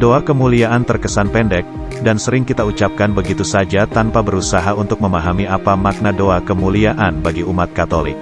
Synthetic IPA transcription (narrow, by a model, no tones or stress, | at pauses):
doakəmuliaʔant̪ərkəsanpɛndɛk̚ | dansəɾɪŋkit̪aut͡ʃap̚kanbəɡit̪usad͡ʒat̪anpabəɾusaɦaunt̪ʊk̚məmaɦamiapamak̚nadoakəmuliaʔanbaɡiumat̪̚kat̪olɪ̰k̚